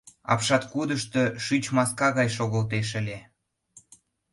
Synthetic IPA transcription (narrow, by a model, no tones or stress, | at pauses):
ɑ̰pʃɑt̪kud̪əʃt̪ɤʃyt͡ɕmɑskɑɣɑjʃoɣəlt̪̬eʃ̬ə̆lʲe